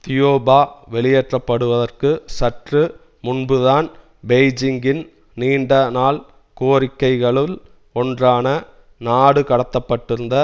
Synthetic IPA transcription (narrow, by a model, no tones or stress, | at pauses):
t̪ɪjoːbaːʋɛɭɪjɛʈrɐpːɐɽɯʋɐðɐrkɯsɐʈrɯ | mʊnbɯðaːn | beɪd͡ʒɪŋɡɪn | niːɳɖɐnaːl | koːɾɪkːɐɪɣɐɭɪl | ɔndraːnɐ | naːɽɯkɐɽɐt̪ːɐpːɐʈːɪɾɯnd̪ɐ